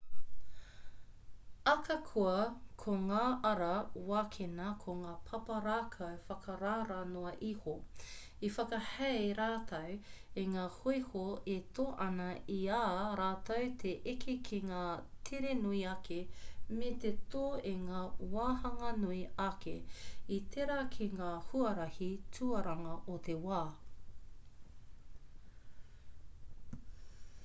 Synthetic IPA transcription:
ɐkɐkʰuɐkʰoŋaːʔɐɾɐwaːkʰenɐkʰoŋaːpʰɐpɐɾaːkʰɐwfɐkʰɐɾaːɾɐnoɐʔiho | ifɐkɐhɛɾaːt̪ʰɐweŋaːhojhoetoːʔɐnɐʔiaːɾaːtɐwt̪ʰeʔekʰekʰeŋaːtʰeɾenuiɐkʰemet̪et̪oːeŋaːwaːhɐŋɐnuiɐkʰeitʰeɾɐkʰeŋaːhuɐɾɐhitʰuɐɾɐŋɐʔot̪ʰewaː

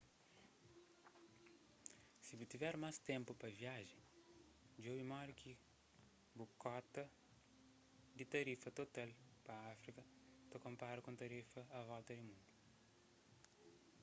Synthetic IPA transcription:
sibit̪ivɛɾmast̪ẽmpupɐviaʒẽ | d͡ʒoimɔɾkʰi | bukɔt̪ɐ | d̪it̪ɐɾifɐt̪ot̪alpɐafɾikɐt̪ɐkõmpaɾukõt̪ɐɾifɐːvɔlt̪ɐd̪imũnd̪u

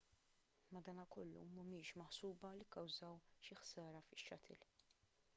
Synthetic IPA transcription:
mɐd̪ɐːnɐkɔlːṵmʊmɪːʃmɐħsuːbɐlɪkːɐwzɐwʃɪħsɐːɾɐfɪʃːɐt̪ʰɪ̰l

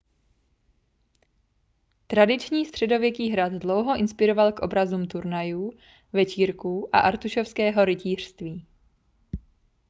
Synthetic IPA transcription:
t̪ɾadɪt͡ʃɲiːst̪r̝̥ɛdo̞vjɛkiːɦɾad̪dlowɦo̞ʔɪnspɪɾo̞valkʔobɾazuːmt̪uɾnajuː | vɛt͡ʃiːɾkuːʔa̰ʔaɾt̪uʃofskɛːɦo̞ɾɪciːr̝̥st̪viː

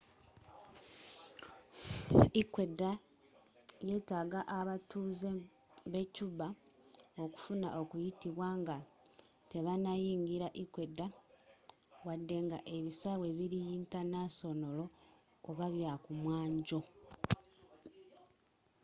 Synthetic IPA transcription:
ikwe̞da | je̞ːtaɡaʔaβatuːze | βe̞cuβa | o̞ku̥funa̰ʔo̞kujitiβwaːŋɡa | te̞βanajiːŋɡiɾaʔikwe̞dːa | wadːe̞ŋɡaʔe̞βisawe̞βiɾijiːntanaso̞no̞lo̞ː | βaβjakumwaːɲɟo̞

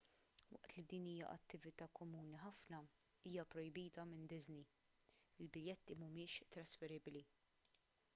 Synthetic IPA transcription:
wɐ̰ʔt̪lid̪iːniːjɐ̰ʔɐ̰t̪ːɪvɪt̪ɐːkɔmuːniħɐfnɐ | iːjɐpɾɔjbiːt̪ɐmɪnd̪ɪzni | ɪlbɪljɛt̪ːimʊmɪːʃt̪ɾɐsfɛɾɪbli

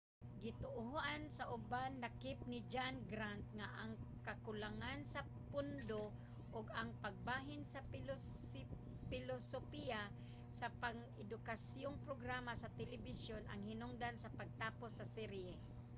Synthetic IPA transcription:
ɡɪt̪ʊʔʊɦʔansaʔʊbannakɪp̚nɪd͡ʒanɡɾant̪̚ŋaʔaŋkakʊlaŋansa | pʊnd̪o | ʔʊɡaŋpaɡ̚baːɦɪnsap | pɪlosopija | sapaŋ | ɪd̪ʊkasjoŋpɾoɡɾaːmasɐt̪ɛlɪbɪsjona̰ŋhɪnʊŋd̪ansɐpaɡ̚t̪aːposːɐsɛɾɛ

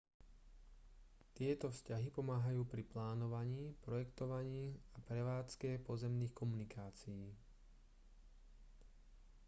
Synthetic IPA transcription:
t̪ɪɛt̪ɔfscaɦipɔmaːɦajuːpɾiplaːnɔʋaɲiːpɾɔjɛkt̪ɔʋaɲiːapɾɛʋaːt͡skɛːpɔzɛmniːxkɔmunikaːt͡sijiː

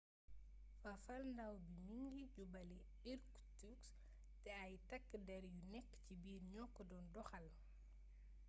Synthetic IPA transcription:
fafɐlndawbimiŋɡiɟubɐli | ɗiɾk | tuks | tɛajtɐkːdɛɾjunɛkːcibiːɾɲɔkːɔdɔndɔxɐl

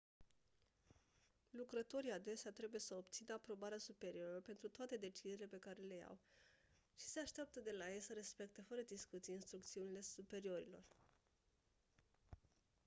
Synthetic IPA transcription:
lukɾət̪o̞ɾiad̪e̞seat̪ɾe̞buje̞səobt̪sinəapɾo̞baɾeasupe̞ɾio̞ɾəpe̞nt̪ɾut̪oat̪e̞d̪e̞t͡ʃizile̞pe̞kaɾe̞le̞ja̰w | ʃi̥se̞aʃt̪eap̚t̪əd̪e̞lajejsəɾe̞spe̞k̚t̪e̞fəɾəd̪iskut̪sijinst̪ɾukt̪siunile̞supe̞ɾio̞ɾilo̞̰r

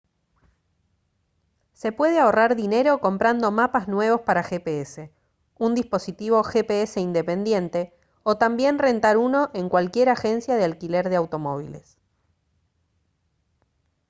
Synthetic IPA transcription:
se̞pwe̞ð̞eaoraɾðine̞ɾo̞ko̞mpɾand̪o̞mapaznwe̞β̞ospaɾaxepeese̞ | und̪ispo̞sit̪iβo̞xepeese̞ind̪e̞pe̞nd̪je̞nt̪e̞ | o̞t̪ambje̞nre̞nt̪aɾuno̞ʔeŋkwalkje̞ɾaxe̞nsjað̞ealkile̞ɾðeawt̪o̞mo̞β̞ḭle̞̰s

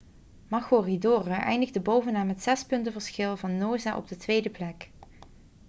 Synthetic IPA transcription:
mɑxoridoːrəʔɛjndəɣdəbowvənaːmətsɛspɵntəvəɹsxɪlˠvɑnːoːzaʔɔ̰b̚dətʋejdəplɛk

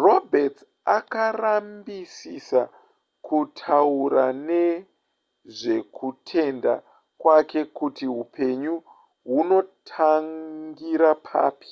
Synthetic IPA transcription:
ro̞bet | akarambisisa | kutʰauɾane̞ | ʐe̞kutʰe̞nda̰ | kwake̞kutiɦupʰe̞ɲu | ɦuno̞tʰaŋɡiɾapʰa̰ːpi̥

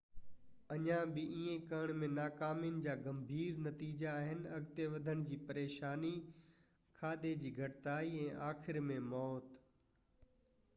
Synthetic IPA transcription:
ɐɲãbɪiːẽkɐəɽ̃mẽnaːkaːmjʊnɪ̆d͡ʑaːɡɐmbʱiːɾnɐt̪iːd͡ʑaːɦɪnɪ̆ɐɡt̪eʋɐd̪ʱəɽ̃d͡ʑiːpɐɾeːʃaːni | kʰaːd̪ed͡ʑiːɡʱɐʈɪt̪aːiɛ̃ːʔaːxʰɪɾmẽmɔːt̪

